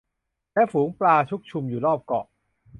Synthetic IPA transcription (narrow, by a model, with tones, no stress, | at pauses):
lɛː˦˥fuː˩˦ŋplaː˧t͡ɕʰu˦˥k̚t͡ɕʰu˧mjuː˨˩lɔː˥˩p̚kɔ̰ː˨˩ʔ